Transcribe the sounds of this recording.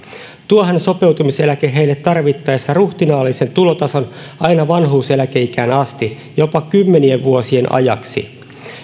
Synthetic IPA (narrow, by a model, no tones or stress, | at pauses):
t̪uoɦænso̞pe̞wt̪umiselækeɦe̞ijlːet̪ːɑrʋit̪ːɑesːɑruht̪inɑːlːise̞nt̪ulot̪ɑso̞n | ɑjnɑʋɑnɦuːselækeikæːnɑst̪i | jo̞pɑkymːenieʋʋuosienʔɑ̰jɑksḭ